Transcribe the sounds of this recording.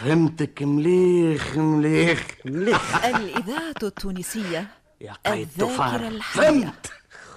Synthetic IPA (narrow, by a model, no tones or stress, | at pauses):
fhɪmt̪akmliːxmliːxmliːxʔalʔɪðaːʕat̪t̪ːuːniːsɪjːa | jaqʔajðːaːfaɾalħhɪmt̪